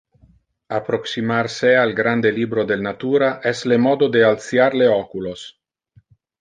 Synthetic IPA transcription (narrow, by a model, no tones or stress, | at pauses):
apɾoksimaɾsealɡɾand̪elibɾod̪elnat̪uːɾaʔɛslemɔd̪od̪ealt̪sjaɾleɔkulos